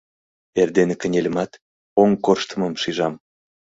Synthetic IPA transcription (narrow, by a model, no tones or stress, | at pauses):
erd̪enekə̆nʲelʲəmɑt̪ | oŋkorʃt̪ə̆məmʃiʒɑm